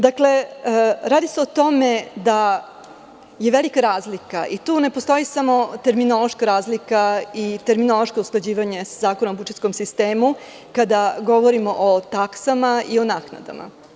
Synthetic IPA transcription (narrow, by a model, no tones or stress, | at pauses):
d̪akle̞ | ɾaːd̪ise̞ot̪o̞me̞d̪a | jeʋelikaɾaːzlikaʔit̪uːne̞post̪o̞jisamo̞t̪e̞ɾminolo̞ʃkaɾaːzlikait̪e̞ɾminolˠo̞ʃkausklˠad͡ʑiːʋaɲeszaːkonaobut͡ʃeskomsist̪eːmu | kad̪aɡo̞ʋoɾimoʔot̪aksamaionaːkna̰d̪a̰mʔa̰